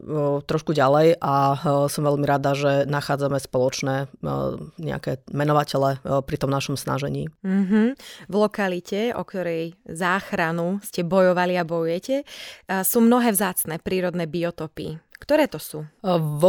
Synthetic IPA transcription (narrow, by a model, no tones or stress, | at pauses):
t̪ɾɔʃkuɟalɛjʔasɔmʋɛʎmiɾad̪aʒɛnaxaːd͡zamɛspɔlɔt͡ʃnɛː | ɲɛ̰a̰kɛːmɛnɔʋacɛlɛpɾit̪ɔmnaʃɔmsna̰ʒɛɲḭːm̩ɦm̩vlɔkalicɛɔ̰kt̪ɔɾɛjzaːxɾanuscɛbɔjɔʋaliabɔjujɛcɛsuːmnɔɦɛːvzaːt͡snɛːpɾiːɾɔd̪nɛːbiɔt̪ɔpḭkt̪ɔɾɛːt̪ɔsuː